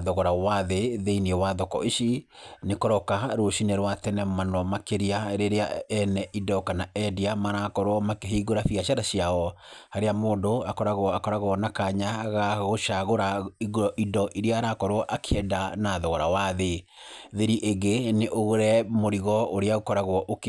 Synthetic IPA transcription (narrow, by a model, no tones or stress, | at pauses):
ðɔɣɔɾawaðeðeinewaðɔkɔ̰iʃinekɔɾɔkaɾoʃineɾwatɛnɛmanɔmakeɾiaɾeɾea̰ɛnɛʔidɔkanaɛdiamaɾakɔɾwɔmakeɦiɡoɾafiɣaʃaɾaɕiaɔhaɾeamoːdoakɔɾaɣwɔakɔɾaɣwɔnakaɲaɣaɣoʃaɣoɾaiɣoɾɔʔidɔʔiɾeaːɾakɔɾwɔʔakʰeɛdanaðɔɣɔɾawaðe | ðeɾiʔeɡeneʔoɣoɾɛmoɾiɣɔoɾeaɣokɔɾaɣwɔʔok